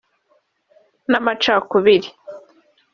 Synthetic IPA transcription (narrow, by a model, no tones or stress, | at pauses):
namat͡ʃakuβiɾi